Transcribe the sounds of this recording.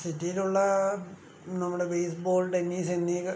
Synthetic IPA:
sitːijiluɭːɐ | nɐmːuɽe̞bejs̬boːlʈenːiːsenːi

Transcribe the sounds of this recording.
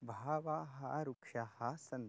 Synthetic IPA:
bʱaːʋaɦa̰ɾukʂahɐsɐn

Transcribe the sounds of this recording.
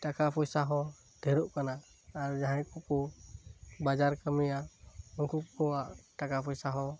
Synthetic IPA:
ʈakapʰɔjsaɦɔ̃ | d̪̥ʱɛɾɔʔkanaː | ɾd͡ʒaɦajkukɔ | bad͡ʒaɾkamijaɔŋkupkɔaʔʈakapʰɔjsaɦɔ̃

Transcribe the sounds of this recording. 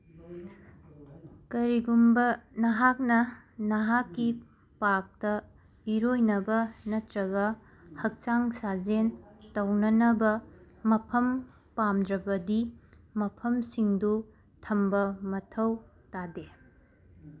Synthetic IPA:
kɐɾiɡumbɐnɐɦak̚nɐ | nɐɦakːi | pak̚tɐ | iɾojnɐbɐnɐtɾɐɡɐ | hɐk̚t͡ʃaŋsad͡ʒentɐwnɐnɐbɐ | mɐpʰɐm | pamdɾɐbɐdi | mɐpʰɐmsiŋdu | tʰɐmbɐmɐtʰɐw | tade

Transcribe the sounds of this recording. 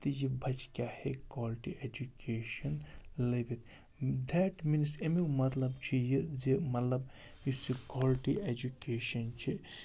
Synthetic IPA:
t̪ɨjibʱɐt͡ʃkʲahekwɔːlʈiʔed͡ʒukeːʃɐnlɐbet̪ | d̪ʱɛʈminsemiwmɐt̪lɐbt͡ʃʰijɨzemɐt̪lɐb | jisikɔlʈied͡ʒukeːʃɐnt͡ʃʰi

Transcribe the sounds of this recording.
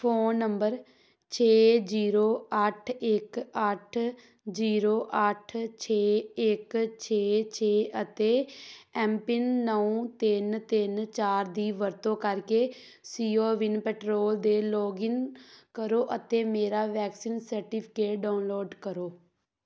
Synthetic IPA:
fʰoːnːəmbəɾ | t͡ʃʰeːziːɾoːəʈʰɪkəʈʰ | d͡ʒiːɾoːʔəʈʰt͡ʃʰeːɪkt͡ʃʰeːt͡ʃʰeːʔət̪eːɛːmpɪnːəũt̪ɪnt̪ɪnt͡ʃaːɾd̪iːʋəɾt̪õːkəɾkeː | siːoːʋɪnpɛːʈɾoːld̪eːlɔːɡɪnkəɾoːʔət̪eːmeːɾaːʋɛːksiːnsəɾʈipʰɪ̥keːʈɖaːʊnloːɖkəɾoː

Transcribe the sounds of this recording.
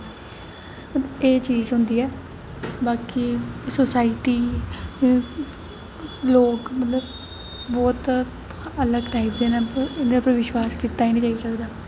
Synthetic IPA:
əeːt͡ʃiːzɦʊ̃nd̪iːɛː | baːkisosaːɪʈiː | loːkmət̪ləb | bɔːt̪ | ələɡʈaːibd̪eːnaːnepəɾʋɪʃwaːskiːt̪aːiːnĩːd͡ʒaːiːsəkd̪aː

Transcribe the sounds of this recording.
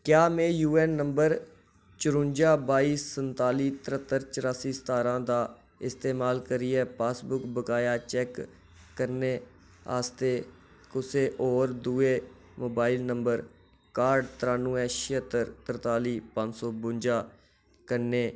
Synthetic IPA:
kjaːmẽːjuːɛːnːəmbəɾ | t͡ʃɾʊ̃nd͡ʒaːbaːiːsːənt̪aːliːt̪əɾət̪ːəɾt͡ʃəɾaːsiːst̪aːɾãːd̪aː | ɪst̪eːmaːlkəɾiːɛːpaːsbʊkbəkaːjaːt͡ʃɛːkː | əɾneː | a̰ːst̪eː | kʊseːʔɔːɾd̪uːeː | moːbaːilnəmbəɾ | kaːɾɖt̪ɾaːnːũːɛ̃ːʃət̪əɾt̪əɾt̪aːliːpə̃nd͡ʒsɔːbʊnd͡ʒaː | kəɾneː

